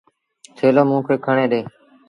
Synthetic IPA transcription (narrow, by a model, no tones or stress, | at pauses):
t̪ʰeːloːmũːkʰɾeːkʰəɳẽːɗeː